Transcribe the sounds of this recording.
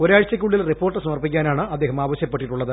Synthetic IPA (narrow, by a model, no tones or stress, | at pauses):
o̞ɾaːɻt͡ɕːɐkʲːuɭːilripːo̞ːrʈːɨsɐmɐrpikʲːaːnaːɳɨʔɐd̪ːe̞ːɦɐmaːʋɐɕjɐpːeʈːiʈːuɭːɐðɨ